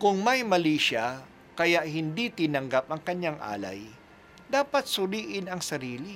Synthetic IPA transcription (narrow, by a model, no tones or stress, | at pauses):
kʊŋmɐjmɐliːʃa | kɐjaʔhɪnd̪it̪ɪnɐŋɡap̚ɐŋkɐɲːaŋʔa̰ːla̰j | d̪aːpɐt̪̚sʊɾiːʔɪnɐŋsɐɾiːlɪ